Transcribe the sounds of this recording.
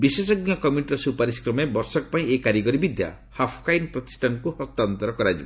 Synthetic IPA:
bisesɔɡjɔkɔmjuʈɾɔsupaɾiskɾɔmebɔɾsɔkɔpaĩekaɾjiɡɔɾibid̪ʱja̰ | hapʰkajnpɾɔt̪i̥sʈʰankuhɔst̪ant̪ɔɾɔkɔɾad͡ʒibɔ

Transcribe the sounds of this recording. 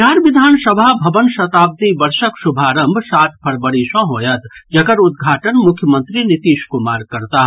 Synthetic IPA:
aːɾʋɪd̪ʱaːnsɐbʱabʱɐʋənʃɐt̪aːb̚t̪ibɐɾʃəkʃʊbʱaːɾɐ̃mbʱsaːt̪̚ʰpʰɐɾbəɽiʃõɦoːjɐt̪d͡ʒɐɡəɾʊd̪ɡʱaːʈənmʊkʰjəmə̃nt̪ɾinɪt̪iːʃkʊmaːɾkɐɾt̪aɦ

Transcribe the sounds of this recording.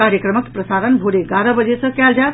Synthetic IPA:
aɾjəkɾəməkpɾəsaɾənbʱoɽeɡaɾəbəd͡ʒesə̃kɛld͡ʒat̪

